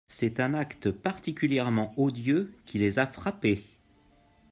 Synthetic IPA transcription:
sɛt̪ɛ̃nakt̪əpaʁt̪ikʲyljɛʁmɑ̃od̪jøkʲilezafχape

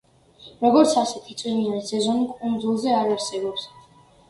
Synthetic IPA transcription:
ɾɔɡɔɾt̪sʰasɛt̪ʰit̪sʼwivinanisɛzɔnikʼund̪zulˠzɛaɾaɾsɛbɔps

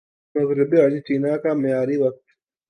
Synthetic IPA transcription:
mɐzɾɪbeɐɽit͡ʃiːnaːkaːmɪjaːɾiːwɐk̚t̪

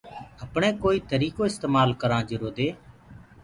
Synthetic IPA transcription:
əpɳẽːkoːiːt̪əɾiːkoːɪst̪eːmaːlkəɾãːd͡ʒəɾoːd̪eː

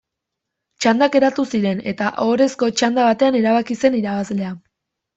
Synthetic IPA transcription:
t͡ʃand̪ake̞ɾat̪usiɾe̞ne̞t̪aʔoɾe̞sko̞t͡ʃand̪aβat̪e̞aneɾaβakise̞niɾaβazle̞a

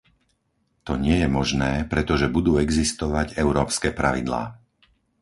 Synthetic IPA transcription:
t̪ɔɲɪɛjɛmɔʒnɛːpɾɛt̪ɔʒɛbud̪uːɛɡzist̪ɔʋaɟɛʊɾɔːpskɛːpɾaʋḭd̪la̰ː

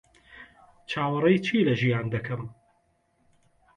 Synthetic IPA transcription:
t͡ʃʰaːwɐɾˤɐjt͡ʃʰiːlɐʒijaːnd̪ɐkʰɐm

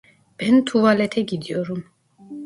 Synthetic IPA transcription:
b̥ɛnt̪ʰuvalɛt̪ʰɛɡid̪ijɔɾum

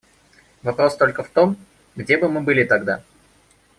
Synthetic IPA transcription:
vɐpɾo̞st̪o̞lʲkəft̪o̞m | ɡdʲebɨmɨbɨlʲɪt̪ɐɡd̪a̰

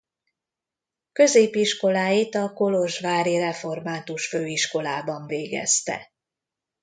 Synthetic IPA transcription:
kø̞zeːpiʃko̞laːjit̪ɒko̞lo̞ʒvaːɾirɛfo̞rmaːt̪uʃføːiʃko̞laːbɒɱveːɡɛ̰st̪ɛ̰

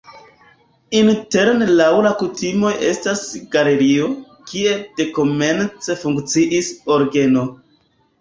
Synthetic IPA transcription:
inte̞ɾnlawlakutimo̞je̞stasɡale̞ɾio̞ | kie̞d̥e̞ko̞me̞nt͡se̞fuŋkt͡siʔiso̞ɾɡe̞no̞

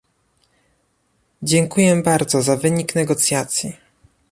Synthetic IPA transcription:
d͡ʑɛŋkujɛbaɾd̪zɔzavɘɲiknɛɡɔt̪sʲjat̪sʲji

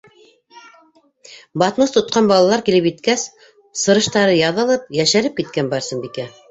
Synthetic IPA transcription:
bɑt̪mɤst̪ŏt̪̚qɑnbɑlˠɑlˠɑɾkilɘpjit̪kæs | sɤ̆ɾɤ̆ʃt̪ɑɾɤjɑðɤ̆lˠɤp̚jæʃæɾɘp̚kit̪̚kænbɑɾsɤnbikæ

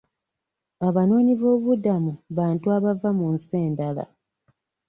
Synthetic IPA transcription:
aβano̞ːɲivo̞ːβudamuβaːntuaβavamunseːndala̰

